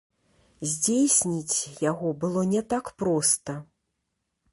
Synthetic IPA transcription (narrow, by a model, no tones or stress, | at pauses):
zʲd͡zʲejsʲnʲit͡sʲjaɣɔbɨlˠɔnʲɛt̪akpɾɔst̪ɐ